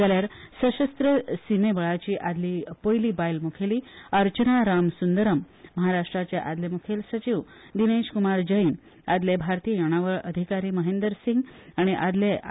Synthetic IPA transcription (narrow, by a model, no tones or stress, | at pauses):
d͡zaljaɾsəɕəst̪ɾəsimebəɭat͡ɕiːʔad̪lipojliːbajlmukʰeliːəɾt͡ɕənaɾamsund̪əɾəmː | əɦaɾaʂʈɾat͡ɕeʔad̪lemukʰelsət͡ɕiʋ | d̪ineɕkumaɾd͡ʑəin | a̰d̪lebʱaɾt̪ijəjoɽ̃aʋəɭəd̪ʱikaɾiːməɦẽnd̪əɾsĩŋɡaɽ̃iʔad̪le